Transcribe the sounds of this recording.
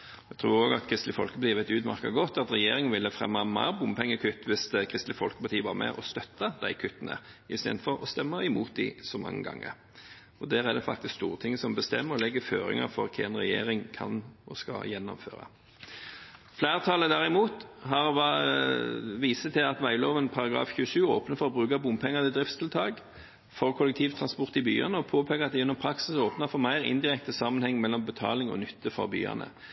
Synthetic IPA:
jɛt̪ʰɾuːɾoːɡɑt̪kʰʁɪst̪lɪfɔlkəpɑt̪iːʋɛt̪ʉːd̪mɑ̰ʁkɑɡɔt̪ːɑt̪ʁɛjeːɾɪŋənʋɪlːəfʁɛ̰mːɑmɑ̰ːbʊmpʰɛŋːəkʰʉt̪ːʋɪskʰʁɪst̪lɪfɔlkə̥pɑʁt̪ʰiːəʋɑʁmɛ̰ʔɔst̪œt̪ːɑd̪æɪkʰʏt̪ːənə̰ | ɪst̪ḛːd̪fɔɾɔst̪ɛmːəɪmuːt̪̚d̪ɪsɔmɑ̰ŋːə̰ɡɑ̰ŋːə̰ɾ | ɔd̪æːɾɛd̪ɛfɑ̰kt̪ɪskst̪uːʁət̪ʰɪŋːəsɔmbəst̪ɛmːəɾɔlɛɡːəføːɾɪ̰ŋə̰fɔɾkʰɛnʁɛjeːɾɪŋkʰɑ̰nʔɔskɑ̰jɛnːɔ̰mfø̰ːʁɑ̰ | flæːʁt̪ʰɑːləd̪æʁɪmuːt̪ɦɑʁʋɑ | ʋiːsət̪ʰɪlɑt̪ʋæɪloːʋənpʰɑɾɑɡɾɑ̰ːfçʉːəʃʉːoːpnəfɔʁɔbʁʉːkɑbʊmpʰɛŋːəd̪ɪd̪ʁɪft̪st̪ʰɪlt̪ʰɑːɡ | fɔʁkʰɔlːɛk̚t̪ʰiːʋt̪ʰʁɑnspɔʁt̪ɪby̰ːɑ̰nəɔpʰoːpʰeːɡəʁɑt̪̚d̪ɛʉnːɔmpʰʁɑksɪsoːpnəfɔʁmæɪʁɪ̰nd̪ɪʁɛk̚t̪əsɑmːənhɛŋːmɛlːɔmbət̪ʰɑ̰ːlɪŋɔ̰nʏt̪ʰːəfɔ̰ʁby̰ːɑ̰nə̰

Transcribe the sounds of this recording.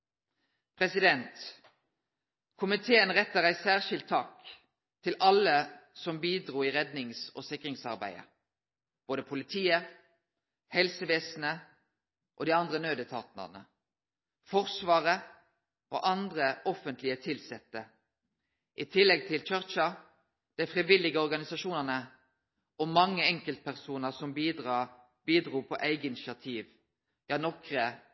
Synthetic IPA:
pʰʁɛsɪd̪ɛnt̪ | kʰʊmɪt̪ʰeːənʁɛt̪ːəʁæɪsæːʁʃɪlt̪ʰːɑːk | t̪ʰɪlʔɑləsɔmbiːd̪ʁuːiːʁɛd̪nɪŋso̰ːsɪkʁɪŋsɑ̰ʁbæ̰ɪə̰ | b̥oːd̪əpʰʊlɪt̪ʰiːə | hɛlsəʋeːsnə | ʔo̰ːd̪iːɑnd̪ʁənøːd̪ət̪ʰɑ̰ːt̪nə̰ʁnə̰ | fɔʁsʋɑːʁə | ʔo̰ːʔɑnd̪ʁəɔfənt̪lɪət̪ʰɪlsɛt̪ːə | ʔɪt̪ʰɪlːɛɡ̚t̪ʰɪlt͡ʃœʁt͡ʃɑ | d̪̥æɪfʁiʋɪlːɪɡəɔʁɡɑnɪsɑʃuːnəʁnə | ʔɔmɑŋːəɛŋkəlt̪̚pʰæʁsuːnəʁsɔmbiːd̪ʁɑː | b̥iːd̪ʁuːpʰɔʔæɪɡəɪnɪʃɪɑt̪ʰiːʋ | jɑːnɔkʁə

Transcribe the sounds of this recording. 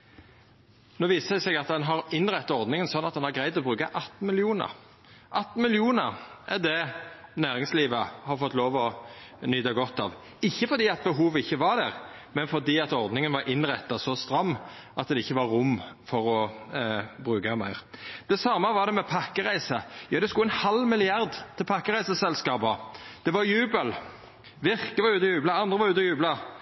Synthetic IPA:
noːʋiːsəd̪ɛsɛɡɑt̪̚d̪ɛnɦɑɾɪnʁɛt̪ːɑɔɾd̪nɪŋənsɔnːɑt̪̚d̪ɛnhɑɾɡɾæɪd̪ɔbʁʉːkɑʔɑt̪ːn̩mɪlɪuːnə̰ʁ | ʔɑt̪ːn̩mɪlɪuːnəɾʔɛd̪ɛnæːʁɪŋsliːʋəhɑɾfɔt̪ːloːʋɔnʏd̪ɑɡɔt̪ːɑ̰ːʋ | ɪçːəfɔɾd̪iːɛt̪̚bəɦuːʋɪçːəʋɑɾd̪æʁmɛnfɔɾd̪iːɑt̪ɔʁd̪nɪŋənʋɑɾʔɪnʁɛt̪ːɑsɔst̪ɾɑmː | ʔɑt̪̚d̪ɛɪçːəʋɑɾʊmːfɔɾɔ | bʁʉːkɑmæɪʁd̪̥ɛsɑmːəʋɑɾd̪ɛmɛpʰɑkːəʁæɪsəjɑːd̪ɛskuːɛnhɑlmɪlɪɑʁd̪t̪ʰɪlpʰɑkːəʁæɪsəsɛlskɑːbɑd̪̥ɛʋɑɾjʉːbəl | ʋɪʁkəʋɑʉːt̪əjʉːblɑɑnd̪ʁəʋɑɾʉːt̪əjʉːblɑ

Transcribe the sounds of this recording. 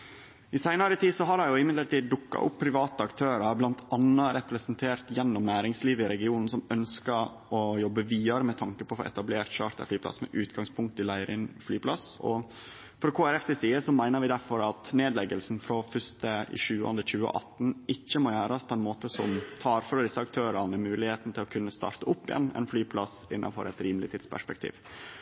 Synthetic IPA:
ɪsæɪnɑɾət̪ʰiːsɔɦɑɾɑjʊɪmɪd̪lət̪iːd̪d̪ʊkːɑ̰ʔʊpːpʰːɾɪʋɑːt̪əɑkt̪ʰøːɾɑɾblɑnt̪ʰɑnːɑɾɛpɾɛsənt̪ʰeːɾt̪jɛnːɔmnæːɾɪŋsliːʋəɪɾɛɡɪuːnn̩sɔmœnskəɾ | ɔjɔbːəʋiːɑɾəmɛt̪ʰɑŋkəpʰɔfo̰ʔɛ̰t̪ɑbleːɾʈ̪ɕɑ̰ːɾt̪æ̰flyːplɑ̰smɛ̰ʔʉːt̪ɡɑŋspʰʊŋk̚t̪ɪlæɪɾɪnflyːpʰlɑsɔ̰ | fɾɔɾkʰoːæɾɛft̪ɛsiːəsɔmæɪnəɾʋɪd̪æɾfɔɾɑt̪neːd̪lɛɡəlsn̩fɾɔfʏst̪əɪ̰ʂʉːɑ̰nəçʉːə̰ʔɑ̰t̪ːn̩ɪçːəmɔjæːɾɑspʰɔɛnmoːt̪əsɔmt̪ʰɑːɾføːd̪ɪsːəɑk̚t̪ʰøːɾɑnəmʉːlɪheːt̪n̩t̪ʰɪlɔkʰʉnːəst̪ɑ̰ːɾt̪əʊpːɪjɛ̰nːɛ̰nflyːpʰlɑsɪ̰nːɑ̰nfɔ̰ɾɛt̪ɾiːmlɪt̪ʰɪd̪spʰæ̰ʂpɛk̚t̪ʰḭːʋ

